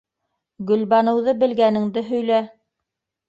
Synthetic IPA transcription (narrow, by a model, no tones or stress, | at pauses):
ɡɵ̆lβɑnɤ̆wðɤbɘ̆lɡænɘ̆ŋd̪ɘɦɵ̆jlæ